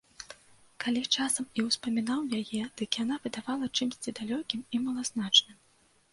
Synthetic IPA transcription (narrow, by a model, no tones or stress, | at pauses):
kalʲit͡ʂasɐmiwspɐmʲinawjajɛd̪̥ɨkjanavʲɨd̪avalˠɐt͡ʂɨmsʲt͡sʲid̪alʲɔkʲimimɐlˠaznat͡ʂnɨm